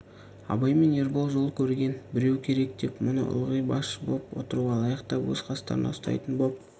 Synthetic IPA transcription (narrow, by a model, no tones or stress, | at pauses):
ɑ̰bɑjme̞ne̞ɾbo̞lˠʒo̞lˠkʲʰɵɾɡʲe̞nbɪɾe̞wkʲʰe̞ɾe̞k̚d̪e̞pmʊnə̰ʔʊ̰lˠʁəjbɑsʃəbo̰lˠəpwo̞̰t̪əɾuʁɑlˠɑjɑqt̪ɑwɵ̰zqʰɑst̪ɑ̰ɾənɑ̰st̪ɑ̰jt̪ənbop̚